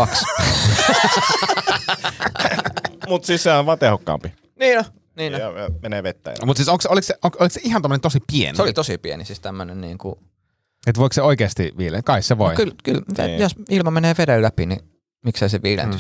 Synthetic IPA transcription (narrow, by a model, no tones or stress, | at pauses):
kɑks | mut̪siːssehæʋɑːt̪ehokːɑ̰ːmpi | niːno | niːoɑɑmeneːʋet̪ːæ̰jɑ̰mut̪siːsoŋkseolikseʔoŋksolikseihɑnt̪omːənent̪osipiḛnseolit̪osipiḛnisist̪æmːønennḭːŋkṵ | et̪ʋoˑikseoˑikeːst̪ḭʋiːlḛkɑˑisseʋo̰ˑikylkylḛjosilmɑmeneːʋedellæpini | miksæseʋiːlḛnt̪y